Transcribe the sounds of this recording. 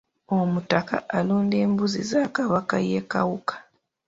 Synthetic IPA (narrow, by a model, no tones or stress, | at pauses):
omutaka̰ʔaluːnde̞ːmbuzizaːkaβakajeka̰wukḁ